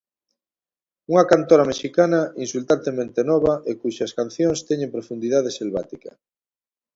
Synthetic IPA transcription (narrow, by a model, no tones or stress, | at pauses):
uŋɐkant̪oɾɐmeʃikanɐinsult̪ant̪emẽnt̪enɔβɐʔekuʃɐskan̟θjoŋst̪ɛɲẽmpɾofund̪iðað̞eselβa̰t̪ikɐ̰